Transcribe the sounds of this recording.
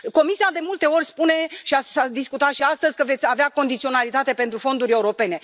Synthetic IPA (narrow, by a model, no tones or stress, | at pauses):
ko̞misiad̪e̞mult̪e̞o̞rʲspune̞ʃiasad̪iskut̪at̪ʃiast̪əzʲkəve̞t̪sʲaveako̞nd̪it̪sio̞nalit̪at̪e̞pe̞nt̪ɾufo̞nd̪uɾʲe̞uɾo̞pe̞ne̞